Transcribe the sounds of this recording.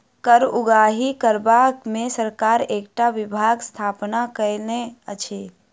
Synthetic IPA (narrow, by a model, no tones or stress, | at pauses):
kəɾʊɡaːɦikəɾbakmẽsəɾkaːɾeːkʈaʋɪbʱaːɡst̪ʰaːpnakəneət͡ʃʰeː